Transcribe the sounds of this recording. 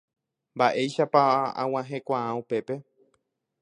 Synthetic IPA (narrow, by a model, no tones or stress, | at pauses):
mbaʔe̞jʃapaã̰w̃ãɦe̞kʷããupe̞pe̞